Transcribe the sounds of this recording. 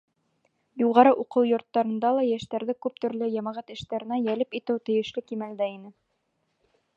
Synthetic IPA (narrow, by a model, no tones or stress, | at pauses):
juʁɑɾɤʔuqɤwjŏɾt̪ːɑɾɤ̆nd̪ɑlˠɑjæʃt̪æɾðɘkʉp̚t̪ɵ̆ɾlɘjɑmɑʁɑt̪ɘ̆ʃt̪æɾɘ̆næjælɘpit̪ɘwt̪ɘ̆jɘ̆ʃlɘkimæld̪æinɘ